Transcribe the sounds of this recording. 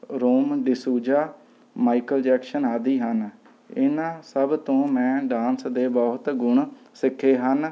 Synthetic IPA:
ɾoːmɖ̪ɪsuːd͡ʒaː | maːikəld͡ʒɛːkʃənaːd̪iːɦən | ɪ̰nãːsəbt̪õːmɛ̃ːɖãːnsd̪eːbɔːt̪ɡʊɳ | sɪkʰːeːɦən

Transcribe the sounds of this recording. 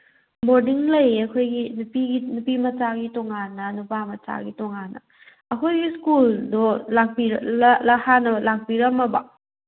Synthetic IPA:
boɾdiŋlɐjɐkʰojɡinupiɡinupimɐt͡ʃaɡitɔŋanːɐnupamɐt͡ʃa̰ɡitɔŋanːɐ̰ | ɐkʰojɡiskuldolak̚piɾlahanɐlak̚piɾɐmɐbɐ

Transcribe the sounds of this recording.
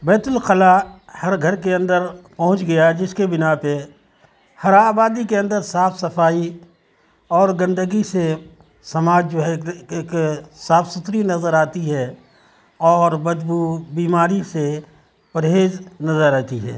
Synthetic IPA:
bɛːt̪ʊlqəlahɐɾɡʱɐɾkeɐ̃nd̪əɾpɐɦʊ̃t͡ʃɡɐjad͡ʒɪskebɪnape | hɐɾaːbaːd̪ikeɐ̃nd̪əɾsaːfsɐfaːi | ɔːɾɡɐ̃nd̪əɡise | sɐmaːd͡ʒd͡ʒoːɦɛksaːfsʊt̪ɾinɐzəɾaːt̪iɦɛ | ɔːɾbɐd̪buːbiːmaːɾise | pɐɾɦeːd͡ʒnɐzəɾɛːt̪iɦɛ̰ː

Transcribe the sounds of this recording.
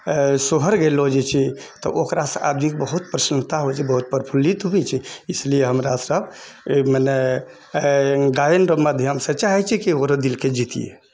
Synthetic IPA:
soɦəɾɡelod͡ʒɛt͡ʃʰi | t̪ɔ̰ʔokɾasə̰̃ʔa̰d̪mikebəɦut̪̚pɾəsənt̪aɦod͡ʒɛbəɦut̪̚pəɾpʰulit̪ɦubɛt͡ʃʰiislieɦəmɾasəb | məne | ɡajenɾəmad̪ʱjəmsə̃t͡ʃaɦɛt͡ʃʰɛkiokɾə̃d̪ilked͡ʒit̪ḭjḛ

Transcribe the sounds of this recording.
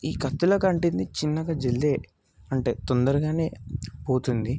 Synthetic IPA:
iːkɐt̪ːuloːkɐɳʈind̪it͡ʃinːɐɡɐd͡ʒelːeː | ɐɳʈe̞ːt̪ɔnd̪ɐɾuɡaːne̞ːpo̞ːt̪und̪i

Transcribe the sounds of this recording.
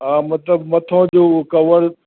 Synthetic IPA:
ɦaːmɐt̪ləbmɐt̪ʰõːd͡ʑoːkɐʋəɽ

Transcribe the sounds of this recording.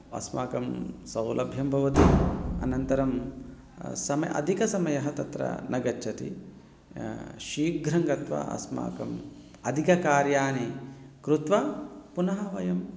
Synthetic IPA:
ɐ̰smaːkɐmsɐwlʔɐbʱjɐmbʱɐʋɐt̪iɐ̰nɐnt̪ɐɾɐm | sɐmɐʔɐ̰d̪ʱikɐsɐmɐjɐɦɐt̪ɐt̪ɾɐ̰nɐɡɐt͡ʃːt͡ʃʰːɐt̪ḭ | ʃiːɡɾɐŋɡɐt̪ʋɐ̰ɐ̰sma̰ːkɐm | ɐd̪ʱikɐkaːɾjaːnikɾut̪ʋɐpunɐɦɐʋɐjɐm

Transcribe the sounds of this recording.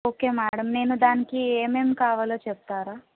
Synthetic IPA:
okemaɽəmnenũd̪ankiememkaːʋələt͡ʃəb̚t̪aːɾa

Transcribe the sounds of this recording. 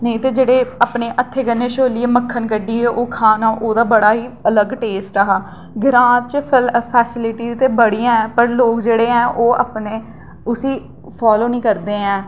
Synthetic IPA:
nəĩːt̪eːd͡ʒeːɽeːaːpneːʔət̪ʰːeːkənːeːʃoːlɪeːməkʰːənkəɖiːɦeːʔoːkʰaːnaːʔoːd̪aːbəɽaːɦiːələɡʈeːsʈɾəɦaː | ɡɪɾãːɾt͡ʃpʰɛːsɪlɪʈiːt̪eːbəɽijãːɛ̃ːpəɾloːkd͡ʒeːɽeːɛ̃ːʔoːa̰pneː | ʊsiː | pʰaːloːnĩːkəɾd̪eːɛ̃ː

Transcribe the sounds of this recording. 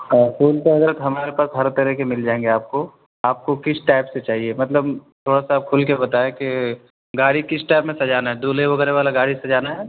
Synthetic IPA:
əːkʰuːlkeɦɐzɾət̪ɦɐmaːɾepaːsɦɐɾt̪ɐɾikemɪld͡ʒaːẽːŋɡeaːp̚ko | aːp̚kokɪsʈaɪpset͡ʃaːɦiemɐt̪ləbt̪ʰoːɽasapkʰʊlkebɐt̪aːeke | ɡaːɽikɪsʈaːpmẽsɐd͡ʒaːnaɦɛd̪oːleʋɐɡɛːɾeʋaːlaɡaːɽisɐd͡ʒaːnaɦɛː

